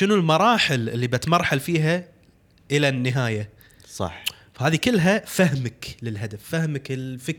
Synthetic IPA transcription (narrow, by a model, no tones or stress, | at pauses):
ʃɪnulmɑɾˤɑːħɪlɪ̰lːibɪt̪mɑɾˤħalfiːɦa | ʔɪlanːɪɦaːja | sˤɑ̰ħ | fahaːðikɪlːɦafahmaklɪlɦad̪afːahmaklfɪk